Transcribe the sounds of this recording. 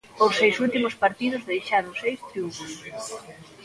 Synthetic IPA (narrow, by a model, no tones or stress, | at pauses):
osejsult̪imʊspaɾt̪ið̞ʊzðejʃaɾoŋsejst̪ɾiuɱfoj